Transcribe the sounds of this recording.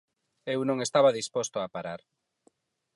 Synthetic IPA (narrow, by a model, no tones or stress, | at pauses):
ewnõŋest̪aβaðispɔst̪oapaɾaɾ